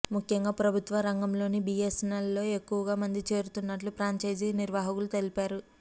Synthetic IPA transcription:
mukʰjɐŋɡaːpɾɐbʱut̪ʋɐɾɐŋɡɐmlo̞ːnibijesnɐlːo̞ːe̞kːuʋɐɡaːmɐnd̪it͡ʃe̞ːɾut̪unːɐʈlupɾaːɲt͡ʃɐjd͡ʒiniɾʋaːɦɐkulut̪e̞lipaːɾu

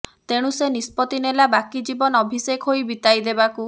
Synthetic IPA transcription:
t̪eɽ̃ũsenispɔt̪inelabakid͡ʒibɔnɔbʱiseɡɦojbit̪ajd̪ebaku

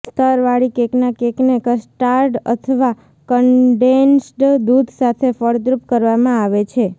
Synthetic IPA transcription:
st̪əɾʋaɽikeknakeknekəsʈaɾɖə̰t̪ʰəʋa | kəɳɖensʈd̪ud̪ʱsat̪ʰefəɽd̪ɾupkəɾʋamãaʋet͡ʃʰe

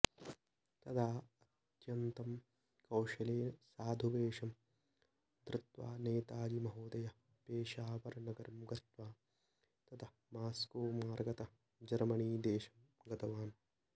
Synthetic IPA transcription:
t̪ɐd̪ʰaːɐt̪jɐnt̪ɐm | kɐwʃɐleːsaːd̪ʱuʋeːʂɐm | d̪ɾɪt̪ʋa̰ːneːt̪aːd͡ʒimɐɦoːd̪ɐjɐ | peːʃaːʋɐɾɐnɐɡɐɾɐmɡɐt̪ʋaː | t̪ɐt̪ʰɐ | maːskuːmaːɾɡɐt̪ɐ | d͡ʒɐɾmɐniːd̪eːʃɐmɡɐd̪ɐʋaːn

